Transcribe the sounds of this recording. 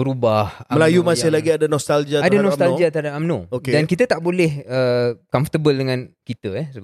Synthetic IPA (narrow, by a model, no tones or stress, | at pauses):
bəɾubahməlajumasɪhlaɡiadanɔst̪ald͡ʒiaadanɔst̪ald͡ʒiat̪adapamnõokedankit̪ət̪aʔbolɛhəkɔmfə̥t̪əbəldəŋãnkit̪əjɛsəb